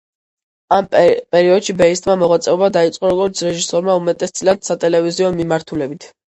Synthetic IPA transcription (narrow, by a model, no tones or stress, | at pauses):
ampʼɛɾiɔd̪ʃibɛist̪ʼmamɔʁwat̪sʼɛubad̪ait̪sʼqʼɔɾɔɡɔɾt̪sʰɾɛʒisɔɾmaumɛt̪ʼɛst̪sʼilad̪sat̪ʼɛlɛviziɔmimaɾt̪ʰulɛbit̪ʰ